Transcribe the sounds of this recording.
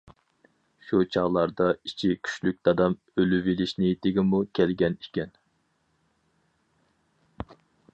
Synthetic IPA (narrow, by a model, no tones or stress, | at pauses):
ʃut͡ʃʰɑʁlˠɑɾd̪ɑit͡ʃʰikʲʰy̥ʃlyk̚ʲd̪̥ɑd̪ɑm | ølyvilɪʃnɪt̪ʰɪɡʲimukʲʰɛlɡʲɛnikʲɛn